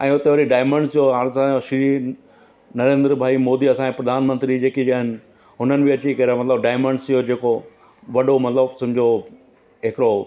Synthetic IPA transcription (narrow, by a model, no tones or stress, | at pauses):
ɛ̃ːʊt̪eʋɐɾiɖaːɪmə̃ɳɖsʰijoɦaɾsãoʃi | nɐɾẽːnd̪ɾbʱaːimoːd̪iɐsãːepɾɐd̪ʱaːnmə̃nt̪ɾid͡ʑeːkid͡ʑaːɦɪnɪ̆ | ɦʊnənɪ̆bɪɐt͡ɕikɐɾamɐt̪ləbɖaːɪmə̃ɳɖsʰijod͡ʑeːko | ʋɐɖomɐt̪ləbsɐ̃mɪd͡ʑo | ɦekɪɾo